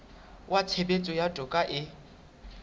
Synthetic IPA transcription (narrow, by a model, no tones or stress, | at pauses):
wʔat͡sʰebet͡sʼɔjatʼʊkʼaʔɪ